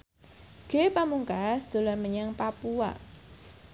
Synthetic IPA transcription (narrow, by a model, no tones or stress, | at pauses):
ɡ̥epamuŋkasd̪̥o̤lanməɲaŋpapua̰